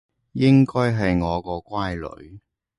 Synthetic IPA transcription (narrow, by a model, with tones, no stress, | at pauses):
jɪ˥ŋkɔː˥jɦɐ˨jŋɔː˨˧kɔː˧kʷwaː˥jlɵ̰˨˧ɥ